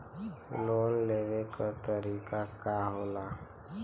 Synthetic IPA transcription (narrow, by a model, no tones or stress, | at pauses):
loːnleːʋekat̪əɾiːkakaɦoːlaː